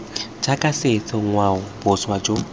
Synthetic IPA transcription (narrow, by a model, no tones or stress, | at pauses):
t͡ʃʰakʼaset͡sʰɪŋwaʊb̥ʊswad͡ʒo